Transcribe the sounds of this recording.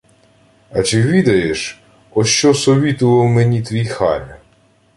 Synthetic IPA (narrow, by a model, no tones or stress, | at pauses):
ɐt͡ʃɪʋʲid̪ɐjeʃ | ɔʃt͡ʃɔsɔʋʲit̪ʊʋɐwmenʲit̪ʋʲijxɑ̰lʲɐ